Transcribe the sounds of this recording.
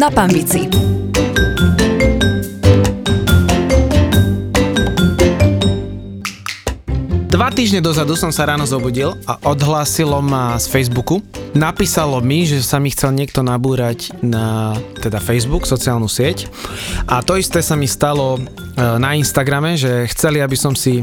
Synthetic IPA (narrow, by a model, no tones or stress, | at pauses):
napanbit͡si | d̪ʋat̪iːʒɲɛd̪ɔzad̪usɔmsaɾaːnɔzɔbuːɟilaʔɔd̪ɦlaːsilɔmasfɛjzbukunapiːsalɔmiʒɛsamixt͡sɛlɲɪɛk̚t̪ɔnabuːɾacnat̪ɛd̪afɛjzbuksɔt͡siaːlnusɪɛc | ʔat̪ɔist̪ɛːsamist̪alɔ | nainst̪aɡɾamɛʒɛxt͡sɛliabisɔmsi